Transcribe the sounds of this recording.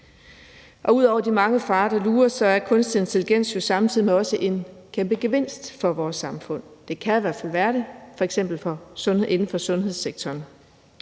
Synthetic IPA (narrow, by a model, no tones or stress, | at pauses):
ʔɒ̽uð̞̰ˠɒʊ̰ɐd̥imɑ̈ŋəfɑ̈ːɾ̥ɑ̈luːɐsɒ̽æɐkʰɔ̽nsd̥ie̝nt͡sʰeliɡ̥en̰sjo̝sɑ̈mt͡sʰið̰ˠimeɒ̽səʔe̝nkʰemb̥əɡ̥e̝ʋe̝n̰sd̥fɒ̽ʋɒːsːɑ̈mfɔ̽n̰d̥e̝kʰæiʋæɐd̥fæl̰ʋæːɐɾe̝fɒ̽eɡ̥sem̰b̥l̩fɒ̽sɔ̽nʔe̝nn̩fɒ̽sɔ̽nɦe̝ð̞̰ˠseɡ̥̚t͡sʰɒːn